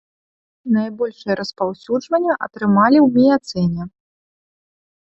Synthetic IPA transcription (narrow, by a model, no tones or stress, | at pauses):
najbɔlʲʂɨjɐɾʔɐspawsʲuʐvɐnʲːɐʔɐ̰t̪ɾɨmalʲiwmʲijat̪sɛnʲɛ